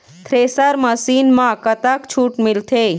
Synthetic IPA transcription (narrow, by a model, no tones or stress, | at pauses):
t̪ʰɾesəɾməsinmãkət̪akt͡ʃʰuʈmilt̪ʰe